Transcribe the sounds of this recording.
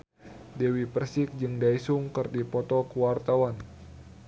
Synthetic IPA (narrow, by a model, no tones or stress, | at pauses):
dɛwipərsɪk̚d͡ʒɨŋdaisuŋkɨrdipɔt̪ɔkuwart̪awan